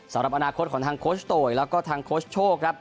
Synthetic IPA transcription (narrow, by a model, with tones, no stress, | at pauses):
sa˩˦mɾa˨˩ʔa˧naː˧kʰo˦˥t̪̚ʰɔː˩˦t̪ʰaː˧ŋkʰoː˦˥st̪oː˨˩jlɛː˦˥wkɔː˥˩t̪ʰaː˧ŋkʰoː˦˥st͡ɕʰoː˥˩kʰɾa˦˥p̚